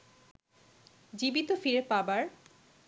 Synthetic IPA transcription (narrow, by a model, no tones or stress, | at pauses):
d͡ʑibit̪ofiɾepabaɾ